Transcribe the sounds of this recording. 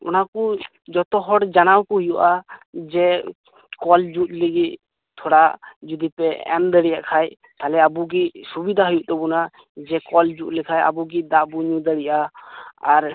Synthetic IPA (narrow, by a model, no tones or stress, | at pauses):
ɔnaku | d͡ʒɔt̪ɔɦɔɽd͡ʒanawkɔɦujuʔad͡ʒɛ | kɔld͡ʒut̪̚liɡit̪ | t̪ʰɔɽad͡ʒud̪ipɛɛ̰md̪əɽijaʔkʰaj | t̪alɛabuɡiʔsubid̪ʱaɦujuʔt̪ɔbuna | d͡ʒɛkɔld͡ʒut̪̚lɛkʰaja̰buɡid̪aʔbuɲud̪əɽiʔaaɾ